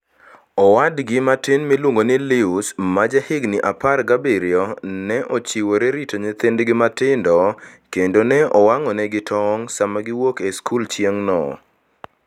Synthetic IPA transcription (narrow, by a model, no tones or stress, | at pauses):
ɔwadɡɪmatɪnmɪlwoŋɡonɪlɪusmad͡ʒahɪɡnɪʔaparɡabiɾɪɔnɛʔot͡ʃiwoɾeɾitoɲet̪ɪndɡɪmatɪndɔkendonɛɔwaŋɔnɛɡɪtʰɔŋsamaɡɪwokeskult͡ʃjeŋnɔ̰